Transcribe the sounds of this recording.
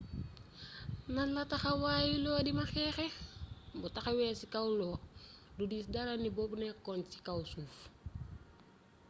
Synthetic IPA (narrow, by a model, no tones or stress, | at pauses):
nanlataxawajilɔːdimaxɛːxɛmbutaxawɛːsikawlɔːdudisdaɾanibobnɛkɔnsi̥kawsuːf